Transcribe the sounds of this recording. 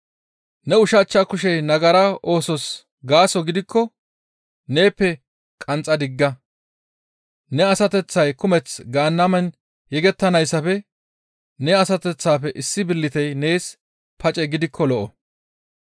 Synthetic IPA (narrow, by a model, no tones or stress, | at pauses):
nɛʊʃɐt͡ʃːɐkʊʃɛjnɐɡɐɾɐʔo̞ːsɔs | ɡaːsɔɡɪd̪ɪkʰːɔ | ne̞ːpːɛ | kʼɐnt͡sʼːɐd̪ɪɡːɐ | nɛɐsɐt̪ɛt͡sːɐjkʊmɛt͡sɡaːnːɐmɛn | jɛɡɛt̪ːɐnɐjsːɐfɛ | nɛɐsɐt̪ɛt͡sːaːfɛʔɪsːɪbɪlːɪt̪ɛjne̞ːs | pɐt͡ʃʼɛɡɪd̪ɪkʰːɔlɔʔɔ